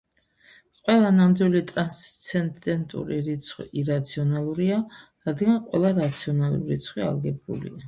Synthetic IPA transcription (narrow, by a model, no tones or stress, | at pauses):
qʼwɛlˠanamd̪wilit̪ʼɾanst̪sʰɛnd̪ɛnt̪ʼṵɾiɾit̪sʰχwḭʔiɾat̪sʰiɔnalˠuɾiaɾad̪ɡanqʼwɛlˠaɾat̪sʰiɔnalˠṵɾit̪sʰχwia̰lɡɛbṵlḭa